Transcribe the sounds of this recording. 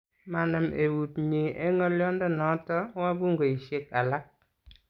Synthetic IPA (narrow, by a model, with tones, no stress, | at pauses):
ma˨na˨mʔe˨wu˨tɲe˨ʔɛ˦ŋɔ˦ljɔ˦ndɔ˦nɔ˨˦tɔ˦wa˦bu˦ŋɡo˨i˨ʃe˦k̚a˨la˦k̚